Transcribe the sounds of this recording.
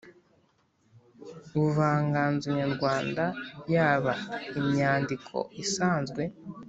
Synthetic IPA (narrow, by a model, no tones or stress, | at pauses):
βuvaːŋɡaːnzuɲaɾɡwaːndajaːβaimɲaːndikʰo̞̰isaːnzɡwe̞